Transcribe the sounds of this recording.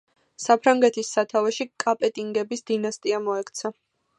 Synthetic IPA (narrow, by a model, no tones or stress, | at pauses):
sapʰɾaŋɡɛt̪ʰisːat̪ʰavɛʃikʼapʼɛt̪ʼiŋɡɛbisd̪̥inast̪ʼiamɔɛkʰt̪sʰa